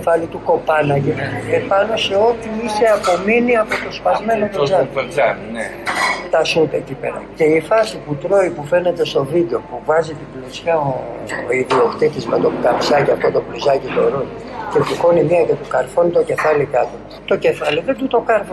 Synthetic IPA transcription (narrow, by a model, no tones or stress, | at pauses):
fɐlit̪uko̞pɐnɐʝiepɐno̞se̞o̞t̪iise̞ɐpo̞miniɐpot̪o̞spɐzme̞nop̪zɐn | t̪ɐsut̪ecipḛɾɐ̰ce̞ifɐsiput̪ɾo̞ipufe̞ne̞t̪e̞st̪o̞vid̪eo̞puvɐzit̪iblesçɐoiðio̞kt̪it̪izme̞t̪o̞pkɐpsɐciɐft̪ot̪o̞plizɐcit̪oɾon | cetiko̞nimiɐcet̪ukɐɾfonit̪o̞ce̞fɐlikɐt̪o | t̪o̞ce̞fɐliðe̞nd̪ut̪o̞kɐɾfo